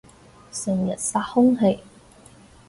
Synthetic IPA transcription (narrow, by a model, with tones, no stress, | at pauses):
sɪ˨˩ŋjɐ˨˩t̚saː˧˥t̚hʊ˥ŋɦe˧j